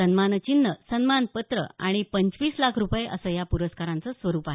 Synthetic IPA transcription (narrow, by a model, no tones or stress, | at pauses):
ənmant͡ɕinːəsənmanpət̪ɾə̰a̰ɽ̃ipəɲt͡sʋiːslakʰɾupjeʔəsəːjapuɾəskaɾãnt͡səsʋəɾuːpaɦ